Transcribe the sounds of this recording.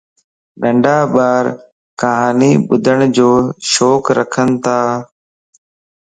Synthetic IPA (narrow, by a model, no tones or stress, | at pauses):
ɗəɳɖaːɓaːɾ | kəɦaːniːɓʊd̪ʱəɳ̃d͡ʒoːʃoːkɾə̰kʰənt̪ʰaː